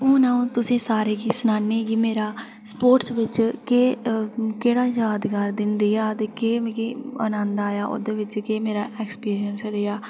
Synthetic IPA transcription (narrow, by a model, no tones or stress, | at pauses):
õːnãːũːt̪ʊsẽːsaːɾeːɡiːsʊnaːnːeːɡiːmeːɾaː | spoːʈsʋɪt͡ʃkeːkeːɽaːjaːd̪ɡaːɾd̪ɪnɾɪjaːt̪eːkeːkiːə̰nãːnd̪aːjaːʔo̰ːd̪eːʋɪt͡ʃkeːmeːɾaːɛːkspiːɾijənsɾeːaː